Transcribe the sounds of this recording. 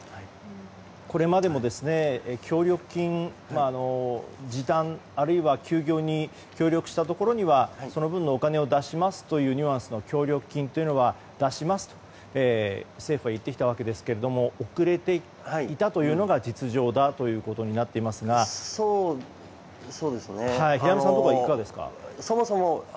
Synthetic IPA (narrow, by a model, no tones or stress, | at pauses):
ko̞ɾe̞mad̪e̞mo̞d̪e̞sɨne̞kʲʰo̞ːɾʲo̞kɯ̟̥kʲĩŋ | maːno̞d͡ʑid̪ãɴaɾɯ̟iβakʲʰɨːɡʲo̞ːɲ̟i | kʲo̞ːɾʲo̞kɯ̟̥ɕi̥t̪at̪o̞ko̞ɾoɲ̟iβaso̞no̞bɯ̟̃nːoːkane̞o̞d̪aɕimasɨ̥t̪o̞jɯ̟ːɲʲɯ̟ãɰ̃sɨno̞kʲo̞ːɾʲokɯ̟̥kʲĩnt̪o̞jiɯ̟no̞βa | d̪̥aɕimasɨ̥t̪o̥ | eːse̞ːɸɯ̟ɡait̪ːekʲit̪aβ̞ake̞d̪e̞sɨ̥ke̞ɾe̞d̪o̞mo̞okɯ̟ɾe̞t̪e̞ | haiit̪at̪o̞jɯ̟ːno̞ɡad͡ʑit͡sɨʑo̞ːd̪at̪o̞jɯ̟ːko̞t̪o̞ɲ̟inat̪ːe̞imasɨɡaso | soːd̪esɨnehaiçijamɯssãntokaikkːkad̪e̞sɨ̥ka̰somosomo